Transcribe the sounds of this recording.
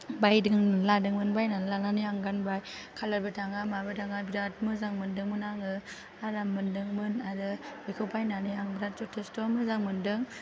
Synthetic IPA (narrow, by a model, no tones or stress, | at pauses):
bajdɯŋladɯŋmɯnbajnanlananɯjaŋɡanbaj | kʰalaɾbɯtʰaŋamabɯtʰaŋabidat̚mɯzaŋmɯndɯŋmɯnaŋɯ | aɾamɯndɯŋmɯnadɯbikʰɯwpʰajnanɯjaŋbɾat̚d͡ʒutʰɯstɔmɯzaŋmɯndɯŋ